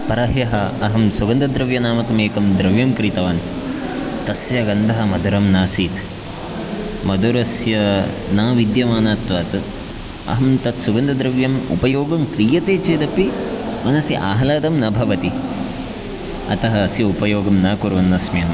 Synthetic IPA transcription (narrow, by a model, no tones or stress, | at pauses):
pɐɾɐɦjɐɦɐɐɦɐmsuɡɐnd̪ɐd̪ɾɐʋjɐnaːmɐt̪ɐmeːkɐmd̪ɾɐʋjɐmkɾit̪ɐʋaːn | t̪ɐsjɐɡɐnd̪ɐɦɐmɐd̪ʱuɾɐmnaːsiːt̪ | mɐd̪uɾɐsjɐ | naːʋid̪jɐmaːnaːt̪ʋaːt̪ | ɐ̰ɦɐmt̪ɐt̪suɡɐnd̪ɐd̪ɾɐʋjɐmṵpɐjoːɡɐmkɾiːjɐt̪eːt͡ʃeːd̪ɐpimɐnɐsiʔaːɦɐlaːt̪ɐmnɐbʱɐʋɐt̪i | ɐ̰t̪ɐɦɐːsjɐupɐjoːɡɐmnaːkuɾʋɐnːɐsmjɐm